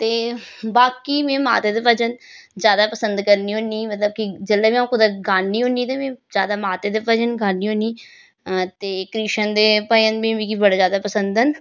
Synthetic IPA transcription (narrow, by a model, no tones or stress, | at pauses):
t̪eːbaːkiːmẽːma̰ːt̪eːd̪eːʋəd͡ʒən | zjaːd̪aːpəsə̃nd̪kəɾniːɦõːniːmət̪ləb̚kid͡ʒəlːaːbĩːãkʊd̪aɡaːniːɦõːniːt̪eːmẽːzjaːd̪aːmaːt̪eːd̪eːpəd͡ʒənɡaːniːɦõːniː | t̪eːkɾiːʃənd̪eːpəənbĩːbiːkibəɽaːzjaːd̪aːpəsənd̪ən